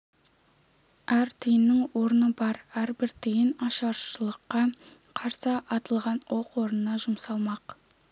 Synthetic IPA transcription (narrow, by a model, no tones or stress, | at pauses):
æɾt̪ʰəjənːɪŋwo̞ɾənəbɑɾæɾbɪɾt̪ʰijɪnɑʃɑɾʃəlˠəqːɑ | qʰɑɾsəʔɑt̪əlˠʁɑnwoqwo̞ɾənənɑʒʊmsɑlˠmɑq